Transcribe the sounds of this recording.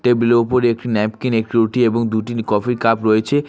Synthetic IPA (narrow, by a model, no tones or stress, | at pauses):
ʈebilopoɾeek̚ʈinɛp̚kinek̚ʈiuʈieboŋd̪uʈikɔfikapɾoet͡ɕʰe